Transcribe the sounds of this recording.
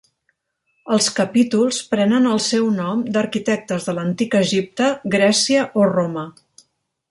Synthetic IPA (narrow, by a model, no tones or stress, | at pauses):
əlˠskəpit̪ulˠspɾɛnənəlˠsɛwnɔmd̪əɾkit̪ɛk̚t̪əzðələnt̪ikəʒip̚t̪əɡɾɛsiəʔoromə